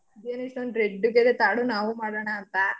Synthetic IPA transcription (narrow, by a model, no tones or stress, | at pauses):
id̪eːniʂʈond̪ɾeɖːuɡed̪et̪aːɽunaːʋumaːɽɐɳaːnt̪ɐ